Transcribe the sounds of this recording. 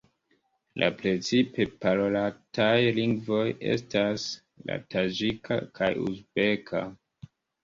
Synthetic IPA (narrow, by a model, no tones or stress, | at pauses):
lʔa̰pɾe̞t͡sipe̞paɾolatajliŋɡvo̞je̞̰s̬tas | la̰tad͡ʒikʰa̰kʰajṵzbe̞kʰa̰